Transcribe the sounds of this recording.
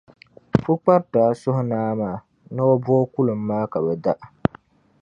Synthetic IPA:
fu˦k͡pa˦ɾtaː˨˦˨sʊ˦hʊ˦naː˦maː˨ | nɨ˦o˦bu˦ɔ˦ku˦lɨ˨m̩ː˦aː˦ka˨bɛ˨da˦ʔ

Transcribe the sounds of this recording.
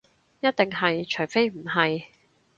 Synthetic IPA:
jɐ˥t̪̚t̪e˨ŋɦɐ˨jt͡ʃʰɵ˨˩ɥfe˥jm̩˨˩ɦɐ˨j

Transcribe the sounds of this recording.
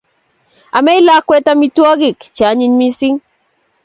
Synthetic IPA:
a˨mɛ˦i˦la˦kwɛ˦ta˦mi˦twɔ˦ɡɪ˨kt͡ʃa˨˦ɲi˦ɲmi˦si˦ŋ

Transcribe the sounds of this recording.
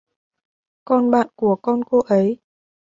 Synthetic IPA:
kɔ˧nɓa̰ː˧˨nku˧˩əkɔ˧nko˧ʔə˨˦j

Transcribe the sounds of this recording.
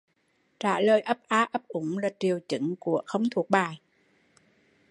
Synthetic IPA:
t͡ɕaː˧˩ləː˨˩jʔə˦˥p̚ʔaː˧ʔə˦˥p̚ʔʊ˧˦ŋ͡mlaː˨˩t͡ɕi˨˩əwt͡ɕɨ̰˧˥˦ŋku˧˩əxə˧wŋ͡mt̪ʰu˨˩ək̚ɓaː˨˩j

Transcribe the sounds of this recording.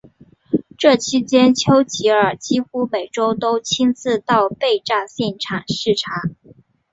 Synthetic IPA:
ʈ͡ʂɤ˥˩t͡ɕʰi˥t͡ɕjɛ˥nt͡ɕʰjo˥ʊt͡ɕʰi˧˥ə˞˨˩t͡ɕi˥xu˥me˨˩ɪʈ͡ʂo˥ʊt̪o˥ʊt͡ɕʰi˥nt͡sɹ̩˥˧t̪ɑ˥˧ʊpe˥˧ɪʈ͡ʂa˥˧ɕjɛ˥˩nʈ͡ʂʰa˨˩nʂɻ̩˥˩ʈ͡ʂʰa˧˥

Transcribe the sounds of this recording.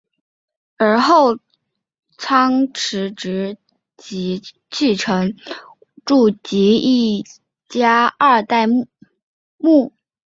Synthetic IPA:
ə˞˧˥xo˥˩ʊ | t͡sʰɑ˥ŋʈ͡ʂʰɻ̩˧˥ʈ͡ʂɻ̩˧˥ | t͡ɕi˧˥ | t͡ɕʰi˥˩ʈ͡ʂʰɤ˧˥ŋ | ʈ͡ʂu˥˩t͡ɕi˧˥i˥˩ | t͡ɕja˥a˥˧t̪a˥˧ɪ | mu˥˩

